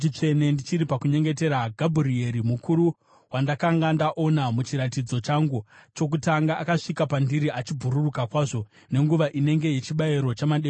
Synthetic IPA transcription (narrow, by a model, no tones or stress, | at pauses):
t͡ʃit͡ʂe̞ne̞ndit͡ʃiɾipakuɲe̞ŋɡe̞te̞ɾaɡʱabʱurie̞ɾimukʰuɾu | wandakaŋɡandaʔo̞namut͡ʃiɾatid͡zo̞t͡ʃaŋɡut͡ʃo̞k̬utaŋɡaʔːkaʂikapandiɾiʔat͡ʃibʱuɾurukakwaːʐo̞ | ne̞ŋɡuʋaʔine̞ŋɡe̞je̞t͡ʃiɓaiɾo̞t͡ʃamaɗe